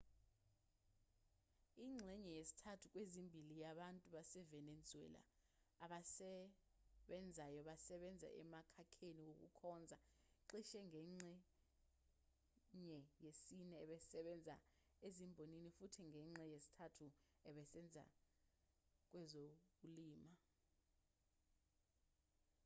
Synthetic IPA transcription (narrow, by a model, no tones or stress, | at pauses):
iŋ͡ǁʱɛɲɛjesi̥tʰatʰuk̬ʼwezimbʱilijaɓantʼuɓasɛvɛned͡zʱuɛ̰la̰ː | ɓasɛ | ɓɛnd͡zʱajɔɓasɛɓɛnd͡zʱa̰ʔɛ̰makʰakʰeniwok̬ʼṵkʰɔnd͡zʱaǃiʃɛŋʱɛŋ͡ǀɛ | ɲɛjesinɛɛɓɛsɛɓɛnd͡zʱa̰ | ezimbʱoninifutʰiŋʱɛŋ͡ǁɛjesi̥tʰatʰuɛɓɛsɛnd͡zʱa̰ | k̬ʼwɛzokuliːma